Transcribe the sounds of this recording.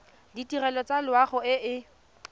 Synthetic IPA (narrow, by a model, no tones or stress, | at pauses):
ditirɛlɔt͡salwaχʊɪʔɪ